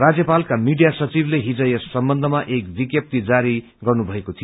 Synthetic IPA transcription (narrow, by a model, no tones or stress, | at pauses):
rad͡zjʌpalkamiɖijasʌt͡sibleɦid͡zʌjʌssʌmbʌnd̪ʱʌmaʔek̚b̪ikjʌp̚t̪id͡zaɾi | ɡʌrnubʱʌekot̪ʰijo